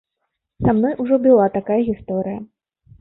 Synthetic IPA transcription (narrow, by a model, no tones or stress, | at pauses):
samnɔjʔuʐɔbɨlˠat̪akajɐɣʲist̪ɔɾɨjɐ